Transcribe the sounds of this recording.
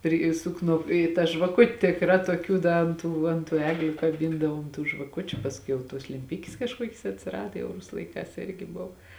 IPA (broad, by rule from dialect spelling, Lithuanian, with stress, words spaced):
ɪr ˈiːsʊk ˈnʊ ɪ tɐ ʒʋɐˈkʊtʲ tʲɪkˈrɑː tuɔˈkʲuː ˈdɐ ɐnt ˈtuː ɐnt ˈtuː ˈæːɡlʲʊ kɐˈbʲɪndɐʋoːm tuː ʒʋɐˈkʊt͡ʃʲʊ pɐsʲˈkʲɛʊ jɛʊ ˈtuɔs lʲɛmʲˈpʲɪkʲɪs kɐʃˈkuɔkʲɪs ɐtʲsʲɪˈrɑːdɐ jɛʊ ˈrʊsʊ lˠɐɪˈkɑːs ˈɪrʲɡʲɪ ˈbʊw